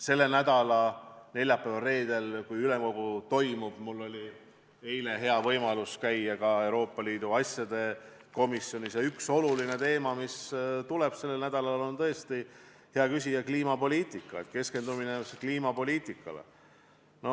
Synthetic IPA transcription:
se̞lːe̞næd̪ɑlɑne̞lʲjɑpːˑæːvɑre̞ːd̪̥e̞lkujyle̞mko̞ɡ̥ut̪o̞jmub̥mulːo̞lʲi | e̞jle̞ɦe̞ɑvɤ̞jmɑluskæjːɑkɑe̞wɾo̞ːpˑːɑliːd̪̥uɑsjɑd̪̥e̞ | ko̞misjo̞nʲisjeykso̞luline̞t̪e̞ːmɑmist̪ule̞b̥se̞lːenæd̪̥ɑlɑlo̞nt̪ɤest̪i | he̞ɑkysʲijɑkliːmɑpo̞lʲiːt̪ˑikːˑɑ̰et̪̚ke̞ske̞nd̪umineskliːmɑpo̞lʲiːt̪ˑikˑːɑ̰lḛ | no̞

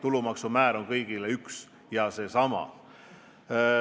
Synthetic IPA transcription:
t̪ulumɑksumæːɾo̞nkɤjɡ̥ileyks | jɑse̞sɑmɑ̰

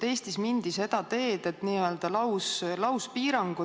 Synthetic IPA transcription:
e̞ːst̪ismind̪̥ise̞d̪̥ɑt̪e̞ːd̪̥e̞t̪niːø̞ːld̪̥ɑlɑwslɑwspiːɾɑŋɡ̥u

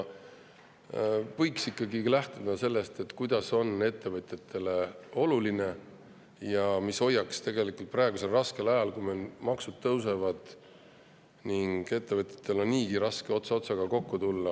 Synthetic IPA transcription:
pɤjksikˑːɑɡilæht̪ud̪ɑse̞lːe̞st̪e̞t̪ːˑkujd̪̥ɑso̞ne̞t̪ːe̞vɤt̪ʲˑjɑt̪ʰːe̞leo̞luline̞ | jɑmiso̞jːɑkst̪e̞ɡe̞likult̪̚prɑeɡ̥use̞lrɑske̞lɑjɑlkujmelmɑksud̪̥̚t̪ɤwse̞vɑd̪̥ | niŋɡ̥e̞t̪ːevɤt̪ʲˑjɑ̥t̪ːe̞lo̞nːiːɡ̥iɾɑske̞o̞t̪sɑo̞t̪sɑɡ̥ɑko̞kːut̪ulːɑ

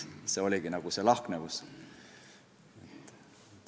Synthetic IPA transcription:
se̞ːo̞lʲiɡ̥inɑɡ̥use̞lɑhknekus | et̪ːˑ

